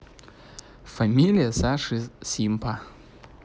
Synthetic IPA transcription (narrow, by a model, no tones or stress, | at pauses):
fɐmʲilʲijɐsaʂɨsʲimpa